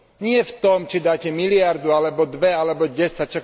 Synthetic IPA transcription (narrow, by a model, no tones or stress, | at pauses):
ɲɪɛft̪ɔmt͡ʃid̪aːcɛmilɪaɾd̪ualɛbɔd̪ʋɛalɛbɔɟɛsac̚t͡ʃɔ